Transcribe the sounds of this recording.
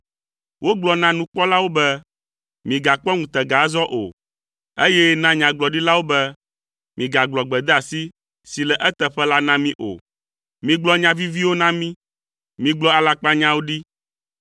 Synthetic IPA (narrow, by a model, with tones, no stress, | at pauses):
wʔo˦ɡ͡blɔ˨nã˦nũ˦k͡pɔ˦la˦wo˦bɛ˦ | mĩ˨ɡa˨k͡pɔ˦ŋũ˨t̪ɛ˨ɡa˨˦zɔ˦ʔo̰˨ | e˦jɛ˦nã˦ɲã˨ɡ͡blɔ˨ɖi˦la˦wo˦bɛ˦ | mĩ˨ɡa˨ɡ͡blɔ˨ɡ͡bɛ˨d̪ɛ˦a˨si˦ | si˨lɛ˨ʔɛ˦t̪ɛ˨ɸɛ˦la˦nã˦mĩ˦ʔo̰˨ | mĩ˨ɡ͡blɔ˦ɲã˨vi˦vi˦wo˦nã˦mĩ˦ | mĩ˨ɡ͡blɔ˦a˨la˨k͡pa˦ɲã˦wo˦ɖi˦